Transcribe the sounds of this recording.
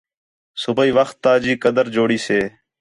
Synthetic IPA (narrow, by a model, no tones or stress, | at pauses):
sʊbəiːʋəxt̪ːaːd͡ʒiːkəd̪əɾd͡ʒoːɽiːseː